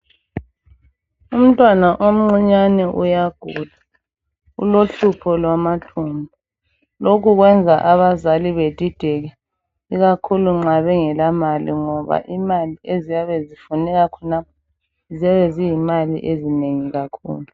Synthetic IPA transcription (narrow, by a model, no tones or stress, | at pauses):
um̩tʼwanaʔom̩ŋ͡ǀiɲanɛʔujaɡ̥ʱuda | ṵloɬupʰɔlwamatʰumbu | lokʰuɣwɛnd͡zʱaʔaβazaliβed̥ʱid̥ʱɛɣɛ | iɣakʰuluŋ͡ǁaβɛŋɛlamalḭŋɔβa̰ʔimaliezijaβezifunɛɣakʰɔnap̚ʰɔ | zɛβezijimalḭʔezineŋiɣakʰṵːlu